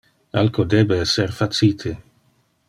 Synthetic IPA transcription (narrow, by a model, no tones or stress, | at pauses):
a̰lkʰod̪eːbeɛsːerfat̪siːt̪ʰe